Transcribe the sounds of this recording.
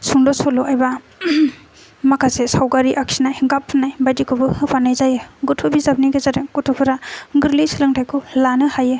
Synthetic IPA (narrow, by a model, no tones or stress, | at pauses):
suŋdɔsɔlɔajba | makʰasesawɡaɾiʔaksinajɡapʰːɯnajbajdikʰɯbɯɯpʰanajzajɯɡɔtʰubizab̚niɡazaɾɯkutʰupʰɯɾaɡɯɾlisilɯŋtʰajkʰulanɯhaje